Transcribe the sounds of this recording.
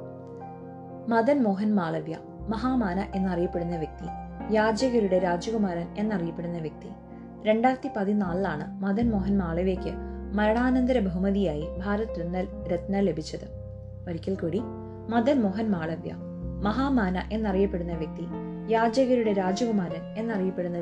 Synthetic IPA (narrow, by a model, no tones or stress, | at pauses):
mɐd̪ɐnmo̞ːɦɐnmaːɭɐʋjɐ̰ | mɐɦaːmaːnɐʔe̞nːɐrijɐpːe̞ɽunːɐʋjɐk̚t̪i | jaːd͡ʑɐɣɐɾuɽe̞ɾaːd͡ʑɐɣumaːɾɐne̞nːɐrijɐpːe̞ɽunːɐʋjɐk̚t̪i | ɾe̞ɳɖaːrt̪ːipɐðinaːɭaːɳɨmɐd̪ɐnmo̞ːɦɐnmaːɭɐʋjɐkʲːɨmɐɾɐɳaːnɐnd̪ɐɾɐbʱɐɦumɐðijaːjibʱaːɾɐt̪ːunːɐl | ɾet̪nɐle̞bʱit͡ɕːɐðɨ | oɾikʲːɐlkuːɽi | mɐd̪ɐnmo̞ːɦɐnmaːɭɐʋjɐ̰ | mɐɦaːmaːnɐ̰ʔe̞nːɐrijɐpːe̞ɽunːɐʋjɐk̚t̪i | jaːd͡ʑjɐɣɐɾuɽe̞ɾaːd͡ʑɐɣumaːɾɐne̞nːɐrijɐpːe̞ɽunːɐ